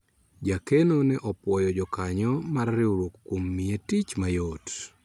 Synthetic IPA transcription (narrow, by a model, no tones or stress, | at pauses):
d͡ʒakenonɛʔɔpwɔjɔd͡ʒɔkaɲɔmarːɪuɾwokːwomːietit͡ʃmajot